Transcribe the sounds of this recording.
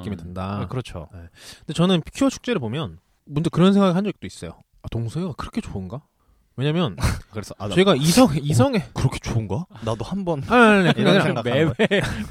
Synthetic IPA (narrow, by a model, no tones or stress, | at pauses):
k͈imidɯndakɯɾʌt͡ɕʰo̰nendet͡ɕʌnɯnkʰiʌt͡ɕʰu̥k̚t͡ɕ͈e̞ɾɯɭpomjʌn | mund͡ʑakɯɾʌnsʰe̞ŋɡaɡɯɭhand͡ʑʌk̚t͈ois͈ʌjo | atoŋsʰueɡakɯɾʌkʰe̞t͡ɕoɯnɡa | we̞ɲamjʌnkɯɾesʌʌiɡaisʰʌŋisʰʌŋekɯɾʌkʰe̞̥t͡ɕoɯnɡʌnadohambʌnanekiɾewe